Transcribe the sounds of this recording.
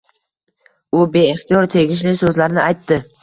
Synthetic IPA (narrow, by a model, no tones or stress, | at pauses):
ʊbe̞ːχt̪ijɒɾt̪ʰe̞ɡʲɪʃ̬lɪsɵzlaɾnɪʔajt̪ːɪ